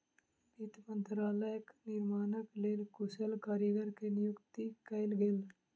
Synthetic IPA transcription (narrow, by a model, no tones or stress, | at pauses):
bit̪mə̃nt̪ɾaːləjəknɪɾmaːnəkleːlkʊsəlkaːɾjəɡəɾkenɪjʊkt̪ikɐɪlɡeːl